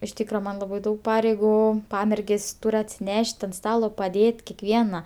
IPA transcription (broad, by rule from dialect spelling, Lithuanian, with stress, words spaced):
ɪʃ ˈtʲiːkrɐ ˈmɐn lˠɐˈbɐɪ ˈdɐʊk ˈpɑːrʲɛɪɡʊ ˈpɑːmʲɛrʲɡʲeːsʲ ˈtʊrʲ ɐtʲsʲɪˈnʲɛʃʲtʲ ɐnt ˈstɑːlˠoː pɐˈdʲeːtʲ kʲɛkˈʋʲiɛnɐ